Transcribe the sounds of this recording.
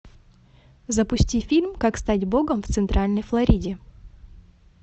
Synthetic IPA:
zəpʊsʲtʲifʲilʲmkakst̪atʲbo̞ɡəmft̪sɨnt̪ɾʔalʲnəjflˠɐɾʲidʲɪ

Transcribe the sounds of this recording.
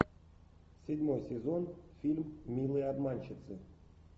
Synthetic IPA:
sʲɪdʲmojsʲezonfʲilʲmːʲilˠɨad̪manʲt͡ɕɪt̪sɨ

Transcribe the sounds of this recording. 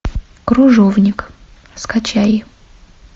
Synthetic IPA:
kɾʊʐovnʲɪk | skat͡ɕajɪ

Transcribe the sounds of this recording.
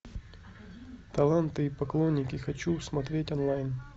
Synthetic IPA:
t̪ɐlˠant̪ɨipɐklˠo̞nʲːɪkʲɪxɐt͡ɕusmɐt̪ɾʲetʲɐnlˠajn

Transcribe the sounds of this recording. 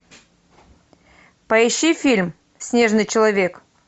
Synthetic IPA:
pɐɪɕːifʲilʲm | sʲnʲe̞ʐnɨjt͡ɕɪlˠɐvʲe̞k

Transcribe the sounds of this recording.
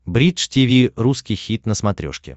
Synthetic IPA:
bɾʲiʂtʲivʲiruskʲijxʲit̪nəsmɐt̪ɾʲo̰ʂkʲɪ̰

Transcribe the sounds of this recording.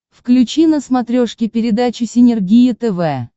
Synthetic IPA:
fklʲʉt͡ɕinəsmɐt̪ɾʲoʂkʲɪpʲɪɾʲɪd̪at͡ɕɪsʲɪnʲɪrɡʲijɪt̪ɛvɛ

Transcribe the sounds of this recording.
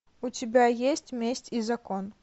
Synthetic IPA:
ʊtʲɪbʲajesʲtʲmʲesʲtʲizɐkon

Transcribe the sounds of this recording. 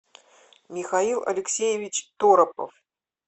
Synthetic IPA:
mʲixailˠɐ̰lʲɪksʲejevʲit͡ɕt̪oɾɐpə̰f

